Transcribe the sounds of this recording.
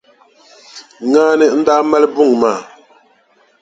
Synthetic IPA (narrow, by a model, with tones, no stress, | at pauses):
ŋaː˦nɛ˦n̩˦da˦mɛ˦lbu˦˨ŋ˨maː˦˨